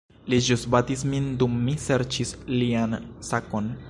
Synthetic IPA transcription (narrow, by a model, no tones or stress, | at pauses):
lid͡ʒusbatis̬mindumːise̞ɾt͡ʃisliansako̞n